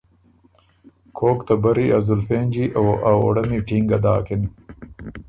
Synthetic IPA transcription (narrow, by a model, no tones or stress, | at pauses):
kʰoːkt̪ɐbɐɾiʔɐzulfeːnd͡ʑiʔawao̰ɽɐmiʈiːŋɡɐd̪aːkin